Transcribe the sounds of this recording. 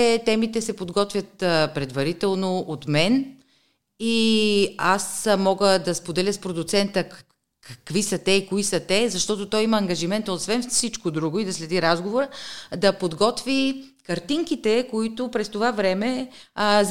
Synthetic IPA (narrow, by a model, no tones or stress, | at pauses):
ɛt̪ɛmit̪ɛsɛpod̪ɡɔt̪vʲjət̪pɾɛd̪vɐɾit̪ɛlˠnoot̪mɛn | i | asmɔɡəd̪ɐspod̪ɛlʲəspɾod̪ʊt̪sɛnt̪ə | kkvisɐt̪ɛikoisət̪ɛzɐʃt̪ɔt̪ʊt̪ɔjimɐːŋɡɐʒimɛnt̪əot̪svɛnfsit͡ʃkod̪ɾuɡʊid̪ɐslɛd̪iɾazɡovoɾəd̪ɐpod̪ɡɔt̪vi | kɐɾt̪iŋkit̪ɛkoit̪ʊpɾɛst̪ovavɾɛmɛ | z